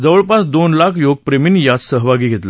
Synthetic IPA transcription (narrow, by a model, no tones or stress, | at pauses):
d͡zəʋəɭpasd̪onlakʰjoɡ̚pɾemiːnːijat͡ssəɦʋaɡiːɡʱet̪la